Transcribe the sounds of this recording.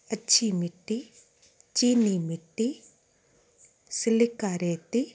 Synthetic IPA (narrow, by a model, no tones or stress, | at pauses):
əːʃʰimɪʈːi | t͡ʃiːnimɪʈːi | sɪlɪkaːɾet̪i